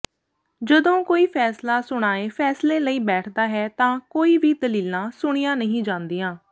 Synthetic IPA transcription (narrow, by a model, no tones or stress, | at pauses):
d͡ʒəd̪õːkoːiːpʰɛːslaːsʊɽ̃aːeːpʰɛːslẽːləiːbɛːʈʰd̪aːɦɛːt̪ãːkoːiːʋiːd̪əliːlãːsʊɽ̃ɪjãːnəɦĩːd͡ʒãːnd̪ijãː